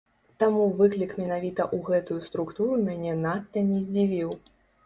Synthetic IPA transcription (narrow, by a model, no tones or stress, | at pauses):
t̪amuvɨklʲikmʲɛnavʲit̪ɐʔuɣɛt̪ujust̪ɾukt̪uɾumʲanʲɛnat̪ːɐnʲɛzʲd͡zʲivʲiw